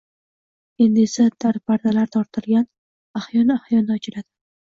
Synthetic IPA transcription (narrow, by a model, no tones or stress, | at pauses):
e̞nd̪esad̪̥aɾpʰaɾd̪alaɾt̪ʰɒɾt̪ʰɪlˠɡʲan | ahjɒnɪahjɒnɪɒt͡ʃʰɪɾad̪̥ɪ